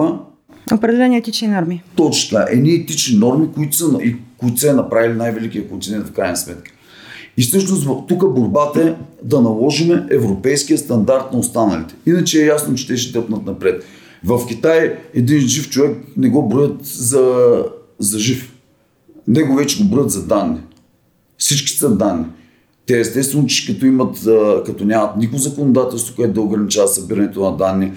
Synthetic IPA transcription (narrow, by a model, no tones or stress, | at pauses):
opɾɛd̪ɛlɛniɛt̪it͡ʃninɔɾmit̪ɔt͡ʃn̥t̪aʔɛ̰d̪nʲiɛt̪it͡ʃninɔɾmikʊit̪ʊ̥sənikʊit̪ʊ̥sɛnɐpɾavilʲinajvɛlikit̪əkont̪inɛnt̪fkɾajnɐsmɛt̪kə̥ | isɤʃnos̬t̪vt̪ukəboɾbat̪ɐɛd̪ɐnɐlˠɔʒimɛɛvɾopɛjskijəst̪ɐnd̪aɾt̪nɐost̪anɐlḭt̪ɛ̥inɐt͡ʃɛɛjasnot͡ʃɛ̥t̪ɛʃ̬ɛ̥t̪ɤpnət̪nɐpɾɛt̪ | vɐfk̟ʲit̪ajɛd̪inʒift͡ʃovɛknɛɡɔbɾɔjət̪zɐ | zɐʒif | nɛɡovɛt͡ʃɛɡobɾɔjət̪zɐd̪anːi | fsit͡ʃki̥sɐd̪anːi | t̪ɛɛst̪ɛt̪t̪vɛnot͡ʃʃkɐt̪ɔimɐt̪kɐt̪ɔnʲamɐt̪nikʊzɐkonod̪at̪ɛlˠst̪vokʊɛt̪ʊd̪ɐʊɡɾɐnit͡ʃavɐt̪sɐbiɾɐnɛt̪onɐd̪anːi